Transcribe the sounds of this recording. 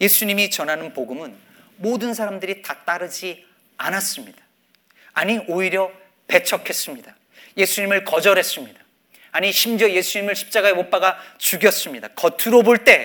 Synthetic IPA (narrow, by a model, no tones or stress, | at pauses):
je̞sʰuɲimit͡ɕʌnɦanɯnpoɡumɯn | modɯns̬ʰaɾamdɯɾitat͈aɾɯd͡ʑi | anas͈ɯmɲid̥ḁ | aɲioiɾjʌ | pe̞t͡ɕʰʌkʰe̞s͈ɯmɲid̥a | je̞sʰuɲimɯɭkʌd͡ʑʌɾɦe̞s͈ɯmɲid̥a | aɲiɕʰimd͡ʑʌje̞sʰuɲimɯɭɕʰi̥p̚t͡ɕ͈aɡae̞mop͈aɡat͡ɕuɡjʌs͈ɯmɲidakʌtʰuɾoboɭt͈e̞